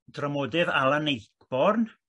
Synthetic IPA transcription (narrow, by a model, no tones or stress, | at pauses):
d̥ramoːdɪðalˠanejkb̥ɔrn